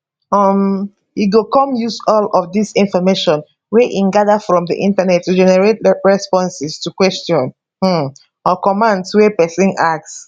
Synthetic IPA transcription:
ɔm | hiɡokɔ̃mjusɔlɔvdisĩnfɔmeʃɔ̃n | wɛʔĩnɡaðafɹɔ̃mdḭʔĩntanɛtːud͡ʒɛnɛɹet̚ɹɛspɔ̃nsɪstukwɛstiɔ̃n̩ | ɔkɔmãndswɛpɛsĩnak̚s

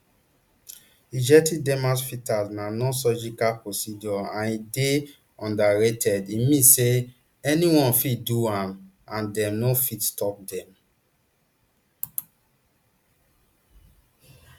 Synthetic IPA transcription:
id͡ʒɛtidɛ̃masfitalznanɔ̃sɔd͡ʒikapɹosid͡ʒɔãnide | ɔ̃ndaɹetʰɛdimĩse | ɛniwɔ̃nfiduãm | ãndɛ̃mnofitstɔp̚dɛ̃m

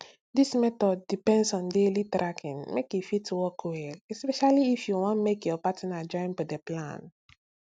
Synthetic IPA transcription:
dismɛt̪ɔdːipɛ̃nsɔ̃ndelitɾʔakʰĩnmekjufituwɔkweɛspɛʃaliːfjuwɔ̃nmekjɔpatĩnad͡ʒɔ̃ɪ̃nfɔdeplã̰n

